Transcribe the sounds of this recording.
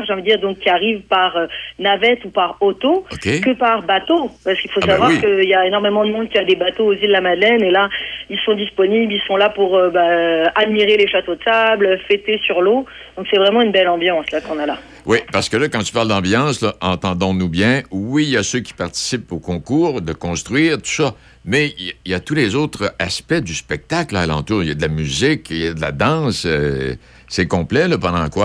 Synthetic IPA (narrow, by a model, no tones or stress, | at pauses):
ʁʒɑ̃vid̪iːʁd̪ɔ̃kʲːiaʁivpaʁønavɛt̪upaʁɔt̪oɔkʲekəpaʁbat̪opaʁsə̥kilfosavvwaʁkəiljaenɔʁmemɑ̃d̪əmɔ̃d̪̚kʲiad̪ebat̪oːzilːlamad̪lɛnelailsɔ̃d̪ispɔniblilsɔ̃lapuʁøbaad̪miʁeleʃat̪od̪əsablfet̪esyʁlo | d̪̥ɔ̃ksɛvʁɛmɑ̃ynbɛlɑ̃bjɑ̃slakɔ̃nala | wʔipaʁsə̥kəlakɑ̃t̪y̥paʁld̪ɑ̃bjɑ̃slaʔɑ̃t̪ɑ̃d̪ɔ̃nubjɛ̃wiljasøkʲi̥paʁt̪i̥sipokɔ̃kuːʁd̪əkɔ̃st̪χɥiːʁt̪u̥sɔ | mɛiijat̪ulezot̪χaspɛd̪yspɛk̚t̪aklalɑ̰̃t̪uːʁijad̪əlamyzikjad̪əla̰d̪ɑ̃sø | sɛkɔ̃plɛlapɑ̃d̪ɑ̃kwa